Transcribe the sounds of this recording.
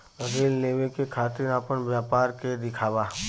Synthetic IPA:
ɾeːlleːʋekekʰaːt̪ɪɾnapənʋjaːpaːɾked̪ɪkʰaːʋaː

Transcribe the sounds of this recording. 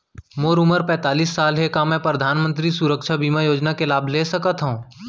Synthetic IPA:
moːɾʊməɾpɛ̃ːt̪aːliːsːaːlɦekamɛ̃pɾəd̪ʱaːnmə̃nt̪ɾisʊɾəkʃabiːmajoːd͡ʒnakelaːbʱleːsəkət̪ɦũː

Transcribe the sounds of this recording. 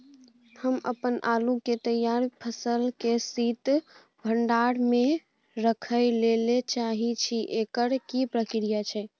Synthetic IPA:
həmə̰pənʔa̰luket̪əjaɾpʰəsəlkesit̪ | bʱəɳɖaɽme | ɾəkʰəɪlelet͡ʃaɦit͡ʃʰiʔekəɽkipɾəkɾijat͡ʃʰɛ

